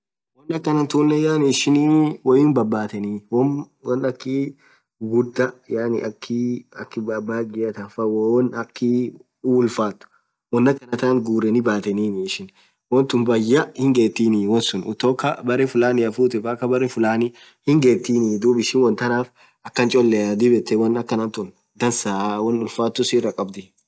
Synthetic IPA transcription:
wɔnːɐkːɐnɐnt̪uːnːɛjaːnɪʃɪniwɐjɪnbɐbːaːt̪ɛniːw | wnɐkːɪ | ɡʊd̪ːɐjaːnɪ̰ʔɐkʰːɪɐkːɪbabaːɡɪjɐt̪afɐwonɐkːɪ | ʊlfaːt̪ːʊ̥ | wɔnːɐkːɐnɐt̪aŋɡuːɾɛnɪbaːt̪ɛniːnɪːʃɪn | wɐnt̪ʊnbɐjːɐhɪŋɡeːt̪ːiːnɪwɐnsʊnʊt̪oːkːɐbɐɾɛfʊlaːnɪɐfuːt̪ɛfɐkːɐbɐɾɛfʊlaːnɪ | hɪŋɡeːt̪ːiːnɪd̪uːbɪʃɪnwɐnt̪ɐnaːf | ɐkːɐnt͡ʃʼɔlːɛɐd̪ɪbɛt̪ːɛwɐnɐkːɐnɐnt̪ʊn | d̪ɐnsaːwɐnʊlfaːt̪ːʊsɪrɐkʼɐbd̪ɪ

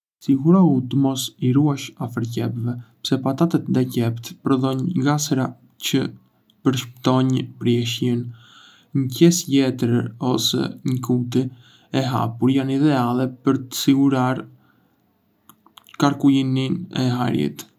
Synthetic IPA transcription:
siɡuɾaut̪əmɔsiɾuaʃafəɾcɛpvɛpsɛpat̪at̪ət̪̚d̪acɛpt̪pɾɔðɔɲɡasɾa | cə | pəɾʃpət̪ɔɲpɾjɛʃjin | ɲəcɛsjɛt̪əɾɔsɛ̰ɲəkut̪̬i | ɛɦa̰puɾjaniðɛalˠɛpəɾt̪ə̥siɡuɾaɾ | kaɾkujininɛ̰ɦa̰ɾjḭt̪

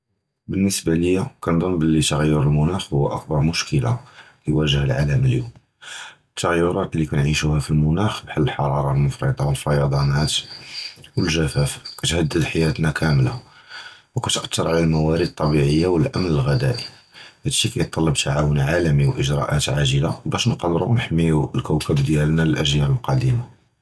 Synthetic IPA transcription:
bənːəsbaləjːækænd̪ˤɑmbəlːit̪ɣjːəɾəlmʊnæxhʊw̰ːʔɑ̰k̚bɑɾˤmʊʃkəla̰lijwæʒəhəlʕaləməljum | ət̪ʰːaɣjːʊɾˤɑt̪likænʕiʃuhæfilmʊnæxbħalːəlħɑɾˤɑɾˤɑlmʊfɾḭd̪ˤɑwəlfɑjɑd̪ˤɑnæt̪ | wəlʒæfæfkæt̪hæd̪ːəd̪ħajæt̪nækʰæmla̰ | wkæt̪əʔt̪ːəɾˤʕalælmæwæɾid̪̚t̪ˤːɑbiʕəjːawəlʔæmnəlɣæd̪æ̰ʔi | hæd̪ʃikæjət̪ˤːɑlːəb̚t̪ʰaʕawənʕalæmiwʔəʒɾˤɑ̰ʔæt̪ʕaʒəlabæʃnqɑlɾˤṵnħəmːijulkæwkæbd̪jælnæləlʔæʒjæɾəlqɑd̪ima

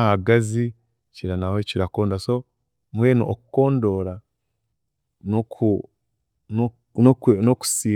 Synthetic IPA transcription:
haɡazi | ciɾanahociɾako̞ːndaso | mweːnṵʔokuko̞ːndo̞ːɾa | noku | noku̥siː

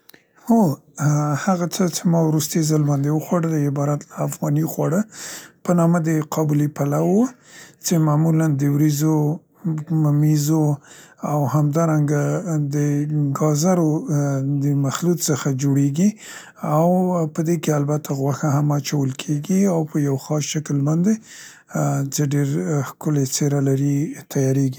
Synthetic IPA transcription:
ho | haɣat͡sət͡ʃemɑwɾust̪əjzəlbɑnd̪ewəxwɑɽəd̪əɪbɑɾat̪laːfɣɑnixwɑɽəpənɑməd̪əqʰɑbulipalawə | t͡ʃemamuland̪əwɾizo | mamizoawhamd̪ɑɾaŋɡad̪əɡɑzaɾod̪əmaxlut̪səxad͡ʒoɽeɡi | awpəd̪ekealbat̪ʰaɣwaxaɦamat͡ʃawəlkʰeɡiawpəjawxɑsʃakəlbɑnd̪e | t͡ʃeɖeɾxkʊlet͡seɾalaɾit̪ʰajɑɾeɡi

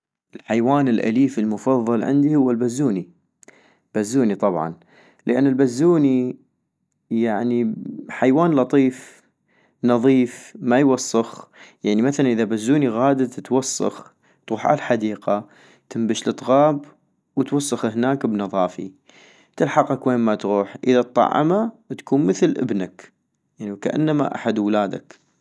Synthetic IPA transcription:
ʔɪlħajwaːnɪlʔa̰liːfəlmʊfɑðˤːɑlʕɪ̰nd̪ihʊwːalbazːuːni | b̥azːuːnit̪ˤɑbʕɑ̰n | ləʔanːɪlbazːuːni | jaʕniħajwaːnlɑt̪ˤiːf | nɑðˤiːfmajwɑsˤːɑxjaʕnimaθalanʔəðabazːuːniɣaːd̪at̪wɑsˤːɑ̰x | t̪ɣuːħʔa̰lħad̪iːqa | t̪ɪmbəʃlɨt̪ˤɣɑːb | wt̪wɑsˤːɑxhnaːkbnɑðˤɑːfḭ | t̪ɪlħɑqakweːnmat̪ɣuːħʔəðat̪̚ˤːɑ̰ʕːɑ̰mat̪ḁkuːnməθlʔɪ̰bnak | jaʕniwkaʔa̰nːama̰ʔa̰ħad̪wlaːd̪a̰k

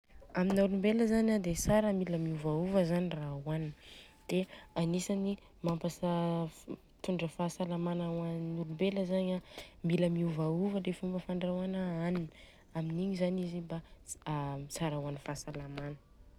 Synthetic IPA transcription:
aminaɾumbeləzaɲad̪esaɾəmiləmiuvauvəzanirauanin | d̪̥eanisani | mampasa | t̪uɳɖ͡ʐəfasalamanawannuɾumbeləzaɲamiləmiuvauvəlefumbəfaɳɖ͡ʐawanaanin | aminiɲizaniziba | saɾawanifasalamanə̥

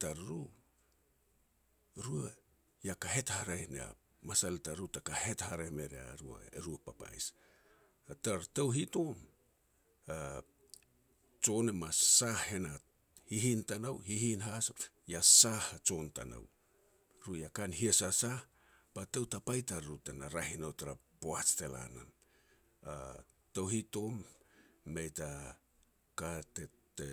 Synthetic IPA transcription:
taɾɾu | ɾua | jakaɦe̞thaɾanḛa̰ | masaletaɾutakahe̞thaɾeme̞ɾea̰ɾua̰ḛɾuapapa̰js | ataɾtawɦito̞m | a | t͡ʃo̞nemasahhe̞na | hiɦintanawhihinɦas | jasaht͡ʃo̞nta̰na̰w | ɾujakanhiesasah | patewtapajtaɾɾutanaɾahinawtaɾapoat͡ʃte̞la̰na̰n | a̰ | tawhito̞mː | ejta | katete

